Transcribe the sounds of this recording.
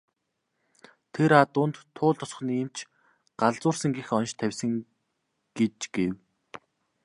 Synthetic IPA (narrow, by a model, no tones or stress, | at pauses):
t̪ʰeɾat̪ʊːnt̪ʰːʊːɮt̪ʰɔs̆χ̆niːmt͡ɕʰ | ɢ̥aɮt͡sʊːrsə̆ŋɡixɔnʃt̪ʰæwʲsə̆ŋ | ɡ̥et͡ɕɡ̥ew